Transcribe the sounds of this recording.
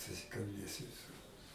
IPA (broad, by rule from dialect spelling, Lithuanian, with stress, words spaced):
sʊsʲɪkɐlʲˈbʲeːsʲɪ ʋʲɪˈsʊr